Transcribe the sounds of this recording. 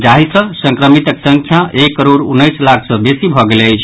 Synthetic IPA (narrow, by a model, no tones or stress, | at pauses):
d͡ʒaɦisə̃sə̃ŋkɾəmit̪əksəŋkʰjaʔekːəɾoɾunːəjslakʰsə̃besibʱɔɡeleəjt͡ʃʰ